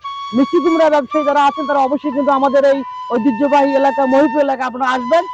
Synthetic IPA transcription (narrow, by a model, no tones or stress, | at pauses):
misik̪imɾabɛbʃajd͡ʒɔɾaat͡ʃʰent̪aɾaɔboʃɔjk̬int̪uamad̪eɾej | od̪id͡ʒobʱaɦielakamoɦilt̪̬ɾoelakaap̬ɔñaaʃben